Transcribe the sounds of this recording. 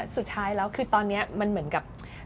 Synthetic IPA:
su˨˩t̪ʰːaː˦˥jlɛː˦˥wkʰɯː˧t̪ɔː˧nːi˦˥ɐma˧nmɯ˩˦ənka˨˩p̚

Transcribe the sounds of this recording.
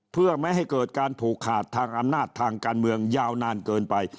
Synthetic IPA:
pʰɯ˥˩əma˥˩jɦa˥˩jkɤː˨˩t̪̚kaː˧nt̪ʰuː˨˩kʰːaː˨˩t̪ʰːaː˧ŋʔa˧mnaː˥˩t̪ʰːaː˧ŋkaː˧nmɯ˧əŋjaː˧wnaː˧nkɤː˧npa˧j

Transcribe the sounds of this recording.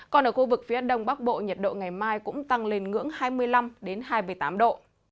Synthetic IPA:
kɔ˨˩nʔəː˧˩xu˧vɨ˨˩k̚fi˨˦əɗə˨˩wŋ͡mɓaː˦˥k̚ɓo̰˧˨ɲə˨˩t̚ɗo̰˧˨ŋa˨˩jmaː˧jkʊ̰˧˥ŋ͡mt̪a˧˩ŋle˨˩nŋɨ̰˧˥əŋhaː˧jmɨ˧əjla˧mɗe˨˦nhaː˧jmɨ˨˩əjt̪aː˨˦mɗo̰˧˨

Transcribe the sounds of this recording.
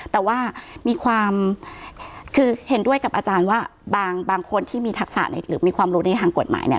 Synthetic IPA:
t̪ɛː˨˩waː˥˩miː˧kʰwaː˧m | kʰɯː˧he˩˦ndu˥˩əjka˨˩p̚ʔaː˧t͡ɕaː˧nwaː˥˩baː˧ŋbaː˧ŋkʰo˧nt̪ʰiː˥˩miː˧t̪ʰa˦˥k̚sa̰˨˩na˧jɾɯː˩˦miː˧kʰwaː˧mɾuː˦˥na˧jt̪ʰaː˧ŋko˨˩t̪ma̰ː˩˦nḭ˥˩˨

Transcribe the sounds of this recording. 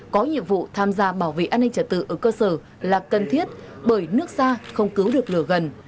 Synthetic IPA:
kɔ˨˦ɲḭ˧˨əmvṵ˧˨t̪ʰaː˧mzaː˧ɓaː˧˩wvḛ˧˨ʔaː˧nːï˧ŋ̟t͡ɕə˧˩t̪̚ɨ̰˧˨ʔəː˧˩kəː˧səː˧˩ | laː˨˩kə˨˩nt̪ʰi˦˥ət̚ɓəː˧˩jnɨ˦˥ək̚saː˧xə˧wŋ͡mkɨ˨˦wɗɨ˨˩ək̚lɨ˧˩əɣə˨˩n

